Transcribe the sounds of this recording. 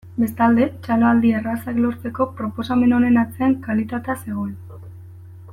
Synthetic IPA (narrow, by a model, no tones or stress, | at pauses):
be̞st̪ald̪e̞t͡ʃaloald̪ierasaklo̞ɾt͡se̞ko̞pɾo̞po̞same̞no̞ne̞nat͡se̞aŋkalit̪at̪ease̞ɣ̞o̞en